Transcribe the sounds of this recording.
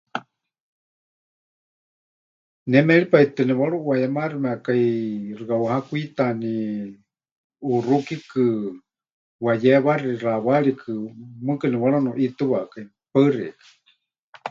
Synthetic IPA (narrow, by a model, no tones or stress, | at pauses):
nɛmɛɺipait̪ɨnɛwaɺuwajɛmarimakairɨkawahakʷit̪ani | urukikɨ | wajɛβariiraβaɺikʰɨmɨkɨnɛwaɺanuʔit̪ɨβakai | paɨrɛ̰kḁ